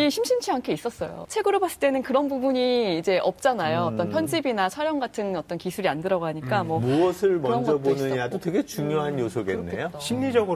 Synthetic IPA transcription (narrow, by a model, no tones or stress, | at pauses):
iɕʰimɕʰint͡ɕʰiɦaŋkʰe̞is͈ʌs͈ʌjo̰t͡ɕʰe̞ɡɯɾobas͈ɯ̥ɭt͈e̞nɯnkɯɾʌnbubuɲiːd͡ʑe̞ʔʌp̚t͡ɕ͈anajoːt͈ʌnpʰjʌnd͡ʑibinat͡ɕʰwaɾjʌŋɡatʰɯnʌt͈ʌnkisʰuɾiandɯɾʌɡoɦaɲik͈amwʌmuʌsʰɯɭmʌnŋɡd͡ʑʌbonɯɲɲadotweɡe̞t͡ɕuŋjoɦanjosʰoɡenːḛjoɕʰimɲid͡ʑʌɡɯ